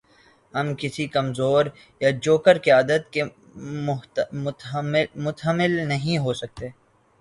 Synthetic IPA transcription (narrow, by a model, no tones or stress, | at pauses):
hɐmkɪsikɐmzoːɾ | jad͡ʒoːkəɾkeɐd̪ət̪ke | mʊt̪ɦəmɪlnɐɦĩɦosɐk̚t̪eː